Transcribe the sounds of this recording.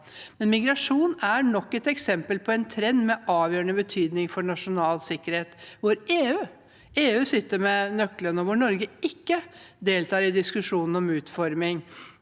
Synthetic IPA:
mɛnmɪɡɾɑʂuːnæɾɳɔkːɛt̪ɛksɛmpəlpʰɔɛnt̪ʰɾɛnd̪mɛʔɑːʋjøːɾəɳəbət̪ʰyːd̪nɪŋfɔɳɑʂʊnɑːlsɪkːəɾheːt̪ʋʊɾeːʉː | eːʉːsɪt̪ːəɾmɛnœklənɔʋʊɳɔɾɡəɪkːəd̪eːlt̪ʰɑːɾɪd̪ɪskʉʂuːnn̩ɔmʉːt̪fɔɾmɪŋ

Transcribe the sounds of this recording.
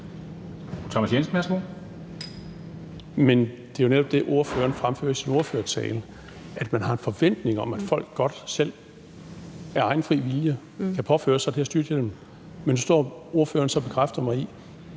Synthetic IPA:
t͡sʰɒmæsjens̩mæɐsm̥o | men | d̥e̝æjo̝neɾ̥ɒ̽b̥d̥e̝ʔo̝ɐfø̰ːɐnfʁamfø̰ːɐsino̝ɐføːɐt͡sʰɛ̰ːlə | ʔæd̥mænɦɑ̈e̝nfɒ̽ʋen̰d̥ne̝ŋɒ̽mæd̥fɒ̽l̰ɡ̥ːɒ̽d̥sel̰ | æɐɑ̈ɪn̩fʁḭːʋiljə | kʰæpʰɒ̽fø̰ːɐsɑ̈ɪd̥eæsd̥yɐd̥jəd̥em | menusd̥ɒ̰ːo̝ɐfø̰ːɐnsɒ̽b̥e̝kʰʁafd̥ɐmɑ̈ɪi

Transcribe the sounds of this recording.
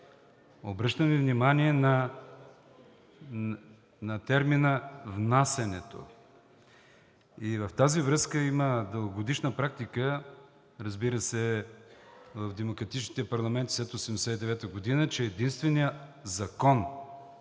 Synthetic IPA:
obɾɤʃt̪əmivnimaniɛnɐ | nɐt̪ɛɾminəvnasɛnɛt̪o̰ | ivɐft̪azivɾɤskəiməd̪əlˠɡoɡod̪iʃnəpɾak̚t̪ikə | ɾɐzbiɾəsɛ | vɐvd̪ɛmokɾɐt̪it͡ʃnit̪ɛpɐɾlˠɐmɛnt̪i̥slɛt̪osɛmd̪ɛsɛt̪id̪ɛvɛt̪əɡod̪inət͡ʃɛːd̪inst̪vɛnijəzɐkɔn

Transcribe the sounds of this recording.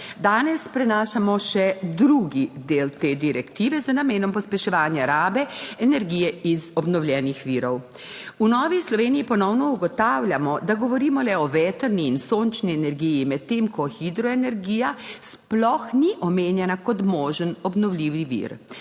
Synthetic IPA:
d̪aːnɛspɾɛnaːʃamɔʃɛd̪ɾuɡid̪eːlt̪eːd̪iɾɛkt̪iːʋɛzənameːnɔmpɔspɛʃɛʋaːnjaɾaːbɛɛnɛɾɡiːjɛizɔbnɔwlʲjɛːnixʋiːɾɔw | unɔːʋislɔʋeːnijipɔnɔwnɔuɡɔt̪aːwlʲjamɔd̪aɡɔʋɔɾiːmɔlɛɔʋɛːt̪əɾniːnsoːnt͡ʃniɛnɛɾɡijimɛt̪̚tːeːmkʰɔxid̪ɾɔɛnɛɾɡijasplɔxniʔɔmeːnjɛnakɔt̪mɔːʒənɔbnɔwlʲiːʋiʋḭɾ

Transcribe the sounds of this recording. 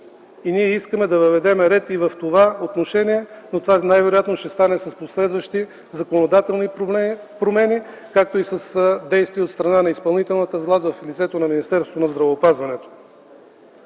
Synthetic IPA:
iniɛiskəmɛd̪ɐvəvɛd̪ɛmɛɾɛt̪ivɐft̪ovaot̪noʃɛniɛnot̪ovanajvɛɾojat̪noʃɛst̪anɛsɐsposlɛd̪vəʃt̪i | zɐkonod̪at̪ɛlˠni | pɾomɛni | kak̚t̪oisəsd̪ɛjst̪viot̪st̪ɾɐnanɐispɐlˠnit̪ɛlˠnət̪əvlˠazvɐflit̪sɛt̪onɐminist̪ɛɾsvonɐzd̪ɾɐvɛopazvɐnɛt̪o̥

